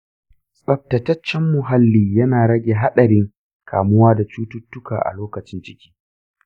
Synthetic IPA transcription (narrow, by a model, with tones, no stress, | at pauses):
sɐ˨p̚tɐ˨tɐ˦t͡ʃːɛ˦mːʊ˨ɦa˦lːiː˦jɐ˦naː˨ɾɐ˦ɡʲeː˨ɦa˦ɗɐ˨ɾɪ˦ŋ | kʰa̰ː˨mʊ˦waː˦da˨t͡ʃuː˦tʊ˦tːʊ˦ka̰ː˨ʔa̰˨loː˦kɐ˨t͡ʃɪ˦nt͡ʃɪ˦kʲi̥ː˦